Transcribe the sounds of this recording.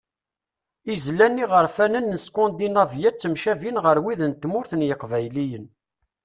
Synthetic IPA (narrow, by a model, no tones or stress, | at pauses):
izlːænːiʁəɾfænənːəskond̪inɑvjæt͡sːəmʃævinʁəɾwiðənt̪ːmʊɾθənjəqvæjlijən